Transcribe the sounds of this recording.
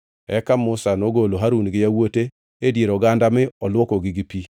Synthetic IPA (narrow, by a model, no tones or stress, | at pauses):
ɛkamʊsanoɡoloɦaɾunɡɪjawote | edjeɾɔɡandamɪɔlwokoɡɪɡɪpi